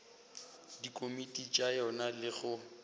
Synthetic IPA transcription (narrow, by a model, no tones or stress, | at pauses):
dikʼomitʼit͡ʃʼajɔnalɪɣʊ